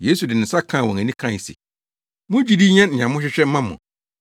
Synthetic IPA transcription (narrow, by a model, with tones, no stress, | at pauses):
jeː˦su˨dɪ˨nɪ̃˨˦sa˦kʰãː˦˨wɔ̃˨ŋæ˨nĩ˦kʰã˦˨sḭ˨ | mʊ̃˦d͡ʑi˦di˦ɲɛ̃˦nn̩˨ɲ˨ã˨mʊ̃˦ɕᶣɪ˦ɕᶣɛ˦m̩˦mã˦mɔ̰̃˨